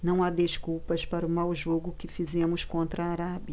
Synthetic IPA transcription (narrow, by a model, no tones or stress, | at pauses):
nɐ̃w̃ad̪eskuwpɐspaɾʊmawʒoɡʊkɪfizẽmʊskõnt̪ɾɐaːɾabjɐ